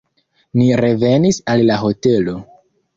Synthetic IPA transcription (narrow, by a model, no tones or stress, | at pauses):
niɾe̞ve̞nisalːaɦo̞te̞lo̞